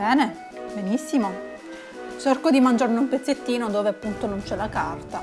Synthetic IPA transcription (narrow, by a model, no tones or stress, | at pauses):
bɛːne | benisːimo | t͡ʃɛrkod̪imand͡ʒarneumpet̪sːet̪ːiːnod̪oːveapːunt̪onont͡ʃɛlːakart̪a